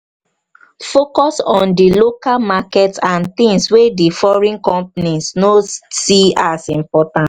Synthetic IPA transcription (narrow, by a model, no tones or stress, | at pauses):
fokɔsɔ̃ndilokalmakɛtsãnt̪ĩŋswedifɔɹĩnkɔ̃mpnisnosiasĩmpɔtãnt